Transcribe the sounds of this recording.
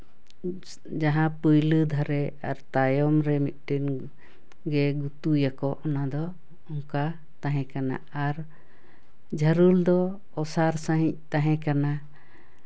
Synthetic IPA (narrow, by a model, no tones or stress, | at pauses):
d͡ʒaɦãpəjləd̪ʱaɾɛaɾt̪ajɔmɾɛmit̪̚ˀʈin | ɡɛɡut̪ujakɔʔɔnad̪ɔ | ɔŋka | t̪ãɦɛ̃kana̰ | aɾ | d͡ʒʱəɾuld̪ɔː | saɾsə̃ɦĩc̚t̪ãɦɛ̃kana